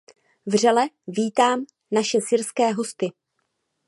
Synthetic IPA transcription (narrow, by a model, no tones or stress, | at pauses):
vr̝ɛlɛ | viːt̪aːm | naʃɛsɪɾskɛːɦo̞st̪ɪ